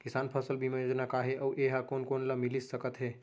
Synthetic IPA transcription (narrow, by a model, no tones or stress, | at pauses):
kisaːnpʰəsəlbiməjod͡ʒnakaɦeʔəwʔeɦakonkonlamilisːəkət̪ɦe